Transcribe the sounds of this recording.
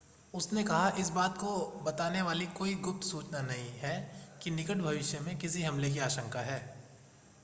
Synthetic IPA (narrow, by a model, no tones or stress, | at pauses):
ʊsnekɐɦaʔɪsbaːt̪kobɐt̪aːneʋaːlikoːiɡʊp̚t̪suːt͡ʃnanɐɦĩɦɛkinɪkəʈbʱɐʋɪʃjəmẽkɪsiɦɐmlek̬iaːʃə̃ŋkaɦɛː